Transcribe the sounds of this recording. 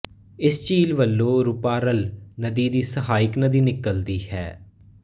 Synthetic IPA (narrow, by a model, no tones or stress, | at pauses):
ɪst͡ʃiːlʋəlːõːɾʊpaːɾəlnəd̪iːd̪iːsəɦaːɪknəd̪iːnɪkəld̪iːhɛ̰ː